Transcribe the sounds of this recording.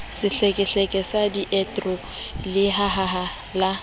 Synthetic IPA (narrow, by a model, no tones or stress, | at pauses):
sɪɬɛkʼɛɬɛkʼɛsadiʔɛtʼrɔ | lɪɦaɦaɦa | la